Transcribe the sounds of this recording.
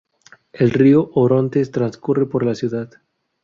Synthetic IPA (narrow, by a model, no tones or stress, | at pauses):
elrioʔoɾo̞nt̪est̪ɾanskure̞po̞ɾlasjuðað